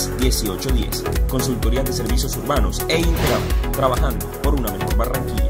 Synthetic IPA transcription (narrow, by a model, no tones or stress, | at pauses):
sd̪je̞sio̞t͡ʃo̞ðje̞̰s | ko̞nsult̪o̞ɾiaðe̞se̞ɾβisjo̞suɾβanose̞int̪eɣɾat̪ɾaβaxand̪opo̞ɾunamexoɾβaraŋkiɲa